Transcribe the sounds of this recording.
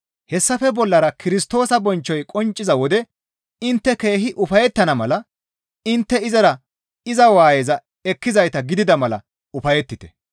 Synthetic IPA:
hɛsːɐfɛbɔlːɐɾɐkɪɾɪst̪o̞ːsɐbɔnt͡ʃːɔjkʼɔnt͡ʃʼːɪzɐwɔd̪ɛ | ɪnt̪ːɛke̞ːɦɪʔʊfɐjɛt̪ːɐnɐmɐlɐ | ɪnt̪ːɛɪzɐɾɐ | ɪzɐwaːjɛzɐ | ɛkːɪzɐjt̪ɐɡɪd̪ɪd̪ɐmɐlɐ̰ | ʊfɐjɛt̪ːɪt̪ɛ̥

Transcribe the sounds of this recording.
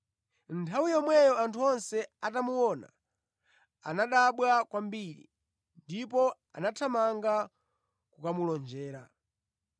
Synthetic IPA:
ntʰawijɔmwɛjɔantʰuɔnsɛatamuwɔna̰ | a̰naɗaɓwakwambiɾḭ | ndipɔ | a̰natʰamaŋɡa | kukamulɔnd͡ʒɛːɾa

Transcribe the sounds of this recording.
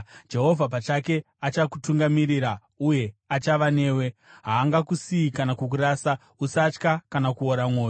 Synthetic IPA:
d͡ʒe̞ɦo̞vʱapat͡ʃake̞ | at͡ʃaku̥tuŋɡamiɾiɾa | uje̞at͡ʃaʋane̞ːwe̞ɦaːŋɡakusiikanakuk̬uɾaːsa | usat͡ʃkakanakuoɾamwo̞ːjo

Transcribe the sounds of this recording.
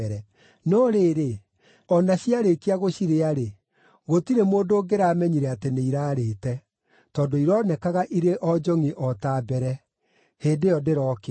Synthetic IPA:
ɛɾɛ | nɔɾeːɾe | ɔnaɕiaɾekiaɣoɕiɾeaɾe | ɣotiɾemoːdoːɡeɾaːmɛɲiɾɛateneiɾaːɾeːtɛ | tɔːdoiɾɔnɛkaɣaʔiɾeʔɔd͡ʒɔŋiʔɔtaːbɛɾɛ | heːdejɔdeɾɔːke

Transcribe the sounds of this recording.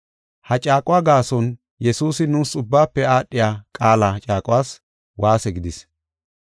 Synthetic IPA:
hɐt͡ʃʼaːkʼʊwaːɡaːsɔn | jɛsuːsɪnuːsʊbːaːpːɛaːɗːɪjaːkʼaːlɐt͡ʃʼaːkʼʊwaːs | waːsɛɡɪd̪ɪs

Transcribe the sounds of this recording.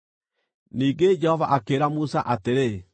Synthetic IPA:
niːŋɡed͡ʒɛhɔvaʔakeːɾamusaʔateɾe

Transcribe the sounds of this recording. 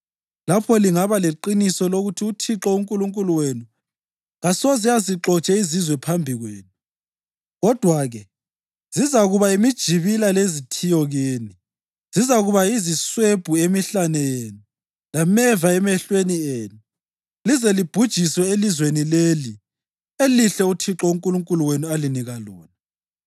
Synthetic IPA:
lapʰɔliŋaβaleǃinisɔloɣutʰiutʰiǁɔuŋkʼuluŋkʼuluwenu | ɣasɔziaziǁɔt͡ʃʼɛizizwɛpʰambʱiɣweːnu | ɣɔd̥ʱwaɣɛ | z̥izaɣuβaimid̥ʒ̥ʱiβilalezitʰijɔɣiːni | z̥izaɣuβaizisweb̥ʱuemiɬanɛjeːnu | lamɛvaɛmɛɬwenieːnu | lizɛlib̥ʱud̥ʒ̥ʱiswɛelizwenileli | eliɬɛutʰiǁɔuŋkʼuluŋkʼuluwenualiniɣalɔːna

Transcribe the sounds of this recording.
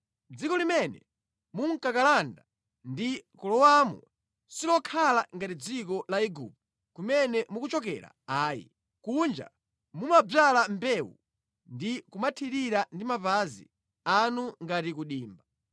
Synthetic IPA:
d͡zikɔlimɛnɛ̰ | muŋ̩kakalanda | ndikɔlɔwamɔ̰ | silɔkʰalaŋɡatid͡zik̬ɔlaiɡṵp̚ | kumɛnɛmukut͡ʃɔk̬ɛ̰ɾa̰aːjḭ | kund͡ʒa̰ | mumab͡valambɛwṵ | ndikumatʰiɾiɾandimapazḭ | anuŋɡatikuɗiːmba

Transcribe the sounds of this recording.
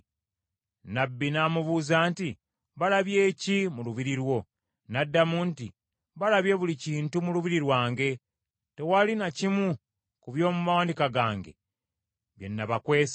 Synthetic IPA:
nabːinaːmuβuːzaːnti | βalaβje̞ːcimuluβiɾiɾwo̞ | nadːamuːnti | βalaβje̞βuliciːntumuluβiɾiɾwaːŋɡe̞ | te̞walinacimu | kuβjo̞ːmumawaːndikaɡaːŋɡe̞̰ | βje̞̰nːaβakwe̞ːs

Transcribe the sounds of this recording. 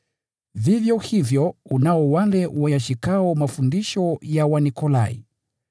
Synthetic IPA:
vivjɔhivjɔunaɔwalɛwajaʃikaɔmafundiʃɔjawanikɔlaḭ

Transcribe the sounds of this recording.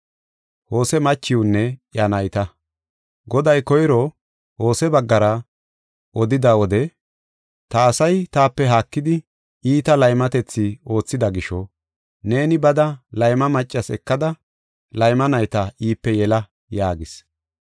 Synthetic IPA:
ho̞ːsɛmɐt͡ʃːɪʊnːɛjɐnɐjt̪ɐ | ɡɔd̪ɐjkɔjɾɔ | ho̞ːsɛbɐɡːɐɾɐ | ɔd̪ɪd̪ɐwɔd̪ɛ | t̪ɐːsɐjt̪aːpːɛɦaːkːɪd̪ɪ | iːt̪ɐlɐjmɐt̪ɛt͡sːɪo̞ːt͡sːɪd̪ɐɡɪʃɔ | ne̞ːnɪbɐd̪ɐlɐjmɐmɐt͡ʃʼːɐsɛ̰kːɐd̪ɐ | lɐjmɐnɐjt̪ɐʔiːpːɛjɛlɐ | jaːɡɪs

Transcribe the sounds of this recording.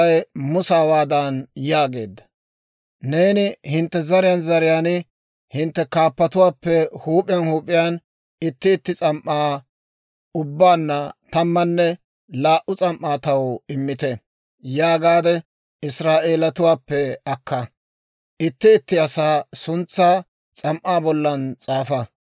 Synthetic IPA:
ɐjmʊsaːwaːd̪ɐnjaːɡe̞̰ːd̪ːɐ̥ | ne̞ːnɪhɪnt̪ːɛzɐɾɪjɐnzɐɾɪjaːnɪ | hɪnt̪ːɛkaːpːɐt̪ʊwaːpːɛhuːpʼɪjɐnhuːpʼːɪjaːn | ɪt̪ːɪːt̪ːɪt͡sʼɐmʔːaː | ʊbːaːnːɐt̪ɐmːɐnːɛ | laːʔʊt͡sʼɐmʔaːt̪ɐwɪmːɪt̪ɛ | jaːɡaːd̪ɛ | ɪsɾaːʔe̞ːlɐt̪ʊwaːpːɛɐkːɐ | ʔɪt̪ːɪːt̪ːɪɐsaːsʊnt͡sːaː | t͡sʼɐmʔaːbɔlːɐnt͡sʼaːfɐ

